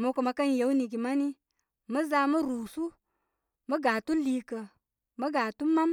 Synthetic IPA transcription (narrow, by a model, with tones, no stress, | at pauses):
mu˨˦ku˨ma˨ka˦nje˨˦wni˨ɡi˨ma˦ni˦ | mə˦za˧˦mə˦ɾu˨su˦ | mə˦ɡa˨tu˦li˦kə˨ | mə˦ɡa˨tu˦ma˦m